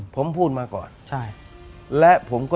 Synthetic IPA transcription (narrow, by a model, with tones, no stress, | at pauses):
pʰo˩˦mpʰuː˥˩t̪̚maː˧˥˩kɔ̰ː˨˩nt͡ɕʰa˥˩ | lɛ˦˥ʔpʰo˩˦mkɔː˥˩